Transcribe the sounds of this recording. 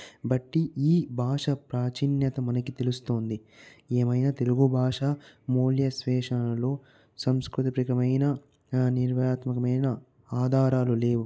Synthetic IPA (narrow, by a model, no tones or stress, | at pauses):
bɐʈːiiːbʱaːʂɐpɾaːt͡ʃinjɐt̪ɐmɐnɐkit̪e̞lust̪o̞ːnd̪ieːmɐjnaːt̪e̞luɡubʱaːʂamoːljɐsʋɛːʂɐnɐlo̞ː | sɐmskɾut̪ɐpɾikɐmɐjnɐ | niɾʋɐjaːt̪mɐkɐmɐjnɐ | aːd̪ʱaːɾaːlule̞ːʋu